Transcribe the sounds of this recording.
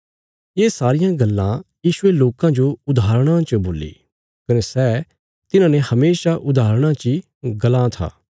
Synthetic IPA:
eːsaːɾɪjãɡɐlːã̰jiːʃʊeloːkãd͡ʒoʊd̪ʱaːɾɽ̃ãt͡ʃəboːlḭː | kɐnesɛː | t̪ɪnãːnehɐmeːʃaʔʊd̪aːɾɽ̃ãt͡ʃi | ɡɐlãt̪ʰa̰ː

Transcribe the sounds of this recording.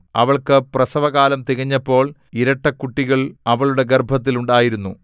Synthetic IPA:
ɐ̰ʋɐɭkɨprɐsɐʋɐɣaːlɐmt̪iɣɐɲːɐpːo̞ːɭ | iɾɐʈːɐkuʈːiɣɐɭɐʋɐɭuɽe̞ɡerbʱɐt̪̬ːiluɳɖaːjiɾunːu

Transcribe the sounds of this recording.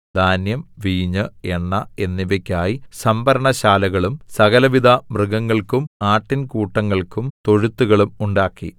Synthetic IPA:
d̪̥ʱaːnjɐmʋiːɲɨeɳːɐe̞nːiʋɐkʲːaːjisɐmbʱɐɾɐɳɐɕaːlɐɣɐɭumsɐɣɐlɐʋid̪ʱɐmrɨɣɐŋːɐɭkumaːʈːinkuːʈːɐŋːɐɭkumt̪o̞ɻut̪ːuɣɐɭumuɳɖaːkːḭ

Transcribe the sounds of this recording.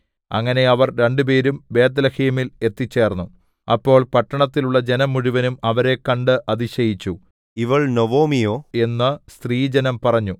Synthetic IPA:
ɐ̰ŋːɐne̞ɐʋɐrɾe̞ɳɖɨpe̞ːɾumbe̞ːd̪ɐlɐhiɐmile̞t̪ːit͡ɕːe̞ːrnːu | ɐpːo̞ːɭpɐʈːɐɳɐt̪ːiluɭːɐd͡ʑe̞nɐmːuɻuʋɐnumɐʋɐɾe̞kːɐɳɖɨʔɐðiɕɐjit͡ɕːu | iʋɐɭnoʋoːmijoːe̞nːɨst̪riːd͡ʑenɐmpɐrɐɲːu

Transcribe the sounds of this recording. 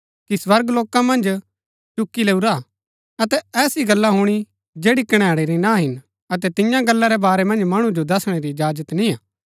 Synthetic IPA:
kiswɐɾɡloːkãmɐ̃nd͡ʒ | t͡ʃʊkːileːuɾa | ɐt̪ɛɛːsiɡɐlːaɦuɽ̃i | d͡ʒeːɽikɐɽ̃aːɽeɾinãɦɪn | ɐt̪ɛt̪ɪjãɡɐlːaɾɛbaːɾɛmɐ̃nd͡ʒmɐɽ̃ũd͡ʒod̪ɐsɽ̃eɾid͡ʒaːd͡ʒət̪nĩãː

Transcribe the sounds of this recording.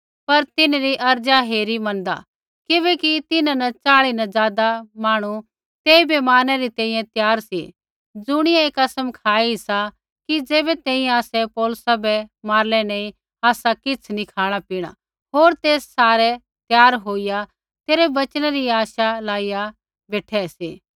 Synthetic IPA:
pɐɾt̪ɪnɾiʔɐɾd͡ʒaɦeːɾimɐ̃nd̪a̰ | kɪbɛːkit̪ɪnãnɐt͡ʃaːɭinɐzaːd̪amaːɽ̃u | t̪eːibɛmaːnɛɾit̪ɛ̃ːĩjɛ̃t̪jaːɾsḭ | d͡zʊɽ̃ɪjaeːkɐsəmkʰaːiɦɪsa | kid͡ʒeːbɛt̪ɛ̃ːĩɛ̃aːsɛpɔːlʊsabɛmaːɾlɛneːĩ | aːsakɪt͡sʰnĩkʰaːɽ̃apiːɽ̃a̰ | ɦoːɾt̪eːsːaːɾɛ | t̪jaːɾɦoːija | t̪eːɾɛbɐt͡ʃɽ̃aɾiaːʃalaːija | beːʈʰɛseː

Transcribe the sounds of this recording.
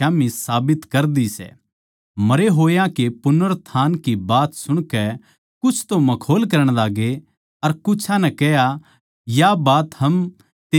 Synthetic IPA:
aːmisaːbɪt̪kɐɾd̪isɛ̰ː | mɐɾeɦoːjãkepʊnəɾt̪ʰaːnkibaːt̪sʊɽ̃kɛ | kʊt͡ʃʰt̪omɐkʰoːlk̬ɐɾəɽ̃laːɡe | ɐɾkʊt͡ʃʰãnɛkɛja | jabaːt̪ɦɐm | t̪eː

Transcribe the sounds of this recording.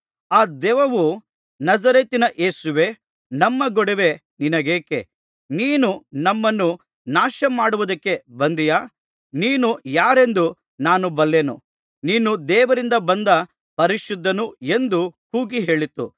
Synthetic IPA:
aːd̪ɛːʋɐʋu | nɐzɐɾeːt̪inɐʔeːsuʋe̞ː | nɐmːɐɡɔɽeʋe̞ | ninɐɡeːkḛ | niːnunɐmːɐnːu | naːʃɐmaːɽuʋud̪ɐkːe̞bɐnd̪ijaː | niːnujaːɾe̞nd̪u | naːnubɐlːenṵ | niːnud̪ɛːʋɐɾind̪ɐbɐnd̪ɐ | pɐɾiʃud̪ːɐnue̞nd̪ukuːɡiɦe̞ːɭit̪ːṵ

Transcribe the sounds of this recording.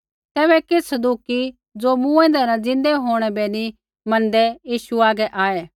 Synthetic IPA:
t̪ɛːβɛkɪsəd̪uːki | d͡zomũɛ̃ːnd̪ɛɾãd͡zɪ̃nd̪ɛɦoːɽ̃ɛbeːni | mɐ̃nd̪ɛjiːʃuaːɡɛʔaːeː

